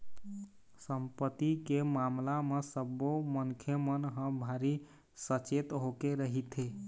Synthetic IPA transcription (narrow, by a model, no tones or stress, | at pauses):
səmpət̪ikemamlamesəboməŋkʰjemənɦə̃bʱaɾi | sət͡ʃet̪ɦokeɾəɦit̪ʰe